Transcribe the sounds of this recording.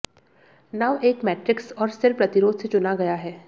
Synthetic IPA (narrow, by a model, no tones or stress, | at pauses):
naːʋeːkmɛːʈɾɪksɔːɾsɪɾpɾɐt̪ɪɾoːd̪set͡ʃʊnaɡɐjaɦɛː